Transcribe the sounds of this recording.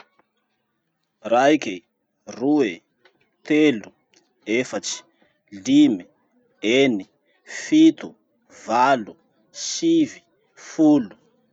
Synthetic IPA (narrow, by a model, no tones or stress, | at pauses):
raike | rue | t̪elu | efat͡si̥ | limi | eni | fit̪u | valu | sivi̥ | fulu̥